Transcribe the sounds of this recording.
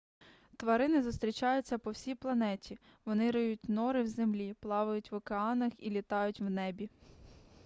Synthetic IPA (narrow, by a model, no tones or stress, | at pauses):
t̪ʋɐɾɪnɪzʊst̪ɾʲit͡ʃɑjʊt͡sʲːɐpɔwsʲijplˠɐnɛtʲi | ʋɔnɪɾɪjutʲnɔɾɪwzemlʲiplˠɑʋʊjʊtʲʋɔkeɑnɐxilʲit̪ɑjʊtʲwnɛbʲi